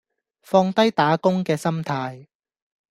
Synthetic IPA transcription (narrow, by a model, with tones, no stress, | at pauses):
fɔː˧ŋt̪ɐ˥jt̪aː˨˥kʊ˥ŋkɛː˧sɐ˥mt̪ʰaː˧j